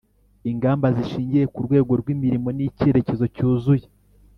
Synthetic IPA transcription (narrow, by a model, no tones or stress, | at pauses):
iŋɡaːmbaziʃiːɲɟije̞kuɾɡwe̞ːɡo̞ɾɡwimiɾimo̞nice̞ɾe̞ce̞zo̞cuːzuje